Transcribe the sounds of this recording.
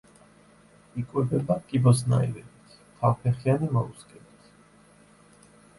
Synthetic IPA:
ikʼwɛbɛbakʼibɔsna̰ḭlɛlit̪ʰ | t̪ʰavpʰɛχianimɔ̰uskʼɛlit̪ʰ

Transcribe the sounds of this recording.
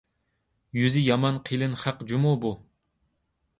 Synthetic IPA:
jyzɪjɑmɑnqʰilˠɨnχæqd͡ʒumubu

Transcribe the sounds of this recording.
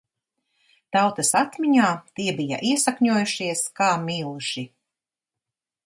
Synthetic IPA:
t̪awt̪ɐsat̪miɲaːt̪iɛbija̰ʔiɛsakɲuɔːjuʃiɛskaːmiːlˠuʃi

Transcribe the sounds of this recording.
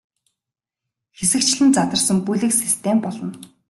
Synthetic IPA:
xesɘ̆kt͡ɕɮɘ̆nt͡sat̪ə̆rsə̆mpujɮɘ̆ksist̪ʰempɔɮɞ̆n

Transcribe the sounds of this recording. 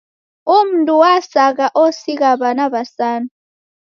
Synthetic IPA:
um̩ntʼuwasak̬aʔɔsik̬aβanaβasaːnu

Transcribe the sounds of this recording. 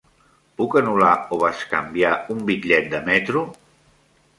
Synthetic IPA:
pukənulaoβat͡ʃkə̰mbjaumbiʎɛt̪̚d̪əmɛt̪ɾu

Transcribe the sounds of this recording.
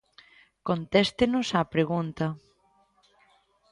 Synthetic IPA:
kont̪ɛst̪enʊsapɾeɣunt̪ɐ

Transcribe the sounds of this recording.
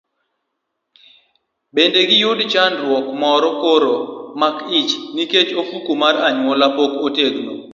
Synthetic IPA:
bendeɡɪjʊdt͡ʃandɾwɔkmɔɾɔkoɾomakɪt͡ʃniket͡ʃofukumaɾaɲwɔlapokoteɡno

